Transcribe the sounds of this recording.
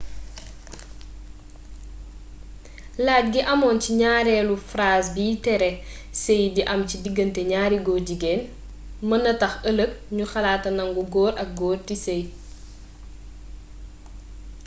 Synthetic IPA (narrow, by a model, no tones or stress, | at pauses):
laːt̚ɡiʔɐmɔːnciɲaːɾɛlufraːsbiːtɛɾɛ | sejdiʔɐmcidiɡəntɛɲaːɾiɡɔɟiɡɛːn | mɐnɐtɐxələk̚ɲuxɐlaːtɐnɐŋɡuɡɔːɾɐk̚ɡɔːrtisej